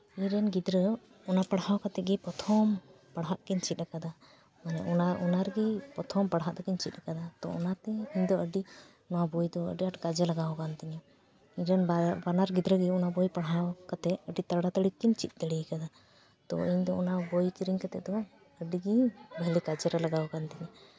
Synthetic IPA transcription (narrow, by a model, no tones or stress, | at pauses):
iɲɾɛnɡid̪ɾə | ɔnapaɽɦawkat̪ɛɡɛpɔt̪ʰɔm | paɽɦaʔkɛɲt͡ʃit̪̚ˀakad̪a | manɛ̰ʔɔnaɔnaɾɡipɔt̪ʰɔmpaɽɦaʔd̪ɔkɛɲt͡ʃit̪̚ˀakad̪at̪ɔ̰ɔ̰nat̪ɛiɲd̪ɔəɖi | nɔwabɔjd̪ɔə̰ɖiaʈkad͡ʒɛlaɡawkant̪iɲɛ | iɲɾanbanaɾɡid̪ɾəɡiɔnabojpaɽɦawkat̪ɛəɖit̪aɽat̪əɽikːiɲt͡ʃit̪̚ˀt̪əɽikad̪a | t̪ɔ̰iɲd̪ɔɔnabɔjkiɾiɲkat̪ɛʔd̪ɔ | əɖiɡibəlikad͡ʒɛɾalaɡawkant̪ɛɲɛ